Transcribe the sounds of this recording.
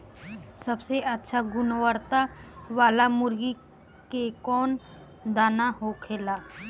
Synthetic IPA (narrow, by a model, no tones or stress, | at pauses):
səbseʔətːʃʰaɡʊnʋəɾt̪aʋaːlamʊɾɡi | kekɔːn | d̪aːnaɦokʰeːlaː